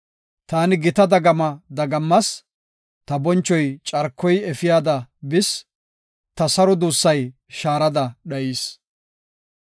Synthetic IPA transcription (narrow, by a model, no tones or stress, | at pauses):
t̪aːnɪɡɪt̪ɐd̪ɐɡɐmɐd̪ɐɡɐmːɐs | t̪ɐbɔnt͡ʃːɔjt͡ʃʼɐɾkʰːɔjɛfɪjaːd̪ɐbɪs | t̪ɐsɐɾɔd̪uːsːɐj | ʃaːɾɐd̪ɐɗɐiːs